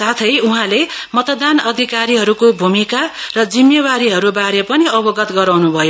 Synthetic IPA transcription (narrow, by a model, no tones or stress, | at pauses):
sat̪ʰʌjuɦãlemʌt̪d̪anʌd̪ʱikaɾiɦʌɾukobʱumikarʌd͡zimjʌwaɾiɦʌɾubaɾepʌniʌbʌɡʌt̪ɡʌɾawnubʱʌjo